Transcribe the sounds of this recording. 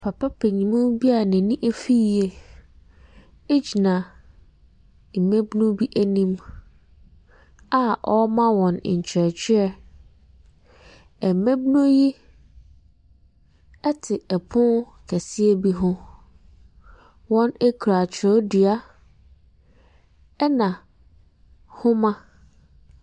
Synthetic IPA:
pʰa˨pʰa˦pʰe˨ɲĩ˨mʊ̃˦bi˦a˨nɪ̃˨nĩ˦ʔe˦fi˦˨e˨ | e˦d͡ʑi˨nã˨ | m̩˨mẽ˦bnũ˦bi˦ʔæ˦nĩ˦m | a˦ʔɔ˦mã˦wɔ̃˨n̰˨ɲ̩˨t͡ɕʰɾɛ˨t͡ɕʰᶣɪ˦ɛ˨ | ɛ˨mẽ˦bnũ˦ji˦ | ɛ˦tʰɪ˨ɛ˨pʰʊ̃˦n | kʰɛ˨si˦e˦bi˦ɦʊ̃˦ | wɔ̃˦ne˦kʰɾa˨t͡ɕʰɾɔ˦di˨a˦ | ɛ˦nã˨ | hʊ̃˦mã˦

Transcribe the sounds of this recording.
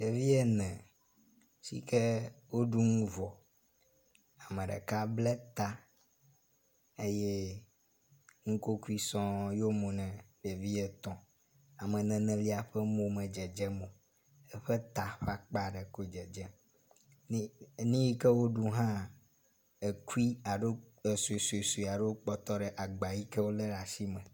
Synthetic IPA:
ɖe˨vi˦ɛ˦nɛ̃˨ | sḭ˨kɛ˦wo˦ɖu˦ŋũ˦vɔ˨ | a˨mɛ̃˨ɖɛ̰˨ka˦blɛ˦t̪a˦ | e˦jɛ˦ | ŋũ˦ko˦ku˦i˦sɔ̃˦jo˦mõ˨nɛ̃˨ɖe˨vi˦ɛ˦t̪ɔ̃˨ | a˨mɛ̃˨nɛ̃˨nɛ̃˨li˦a˨ɸɛ˦mõ˨mɛ̃˨d͡ʒɛ˨d͡ʒɛ˦mõ˨ | e˦ɸɛ˦t̪a˨ɸa˦k͡pa˦ɖe˨ko˦d͡ʒɛ˨d͡ʒɛ˦ | nĩ˦ji˦kɛ˦wo˦ɖu˦ɦã˦ | e˨ku˦i˦a˨ɖo˦ | e˨su˨e˨su˨e˨su˨i˨a˨ɖe˦wo˦k͡pɔ˦t̪ɔ˦ɖe˨ʔa˨ɡ͡ba˨ji˦kɛ˦wo˦lɛ˦ɖa˨si˦mɛ̃˨

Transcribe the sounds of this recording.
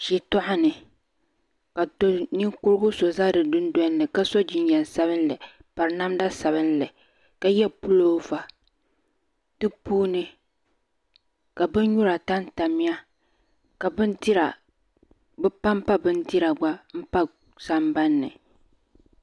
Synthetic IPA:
ʃi˨tʊ˦ʔa˦nɨ˨ | ka˨to˦ni˦ŋkʊ˦ɾɨ˦ɡʊ˦so˨za˦dɨ˨dʊ˦ndɔ˦nːɨ˨ka˦so˦d͡ʒi˨ɲ˦ɲɛ˨n˨sa˦βɨ˦n˦lɨ˨ | pa˨ɾɨ˨na˦m˦da˦sa˨βɨ˦n˦lɨ˨ | ka˨jɛ˦pu˦loː˦va˨ | tɨ˦puː˦nɨ˦ | ka˨bɨ˦n˦ɲu˦ɾa˨ta˦n˦ta˨mi˦a˦ | ka˨bɨ˦nti˦ɾa˨ | bɨ˦pa˦m˦pa˦bɨ˦nti˦ɾa˨ɡ͡ba˦m̩˦pa˦ | sa˦mba˦nːɨ̰˨

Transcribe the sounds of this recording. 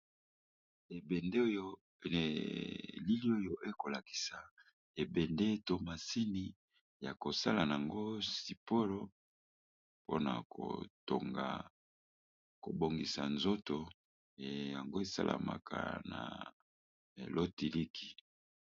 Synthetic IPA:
e˨be˨nde˦o˦jo˦˨ | li˦li˦o˦jo˨ʔe˦ko˨la˨ki̥˨sa˨ | e˨bɛ˨nde˦to˦ma˨si˦ni˦ | ja˨ko˨sa˦la˨na˨a˨ŋɡo˦si˨po˦lo˦ | po̰˦na̰˨ko̰˨to̰˨ŋɡa̰˨ | ko̰˨bo˨ŋɡi˨sa̰˨nzo˦to˨ | ja˨ŋɡo˦e˦sa̰˦lʔa̰˨ma̰˨kʰa̰˨na̰˨ | lo˦ti˨li˦kʰi̥˨

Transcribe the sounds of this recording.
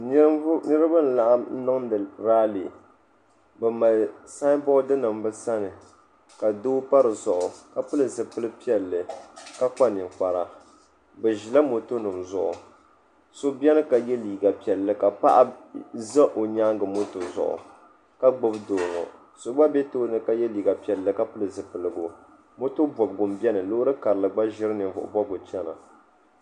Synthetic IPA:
nɨ˦ɾɨ˦ba˦n̩˨la˦ʔa˦mn̩˦nɨ˦ŋɨ˨ɾaː˦le˨ | bɛ˨ma˨lsa˦bɔ˦dɨ˦nɨ˨m˦bɨ˦sa˦nɨ˨ | ka˨doː˦pa˦ɾɨ˨zʊ˨ʔʊ˨ka˨pɨ˦lɨ˦˨zɨ˨pɨ˦lɨ˦pi˦ɛ˨lːɨ˨ka˦k͡pa˦nɪ˨k͡pa˨ɾa˨ | bɛ˨ʒi˨la˦mo˨to˦nɨ˨mzʊ̰˨ʔʊ̰˨ | so˦bi˦ɛ˦nɨ˦ka˨jɛ˦liː˨ɡa˨pi˨ɛ˨lːɨ˦ka˨pa̰˦ʔa˦za˦ʔo˨ɲaː˦ŋɡɨ˨mo˦to˨zʊ̰˨ʔʊ̰˨ | ka˦ɡ͡bʊ˦bdoː˨ŋɔ̰˨ | so˨˦ɡ͡ba˦bɛ˦toː˦nɨ˦ka˨jɛ˦liː˨ɡa˨pi˦˨ɛ˨lːɨ˨ka˦pɨ˦lɨ˨zɨ˨pɨ˨lɨ˨ɡʊ˨ | mo˦to˦bɔ˨bɡʊ˨mbɛ˦nɨ˨lo˦ɾɨ˦ka˨ɾɨ˨lɨ˨ɡ͡ba˦ʒɪ˦ɾɨ˦nɨ˨ɱvʊ̰˨ʔʊ̰˨bɔ˦ɡʊ˨t͡ʃɛ˦na̰˨

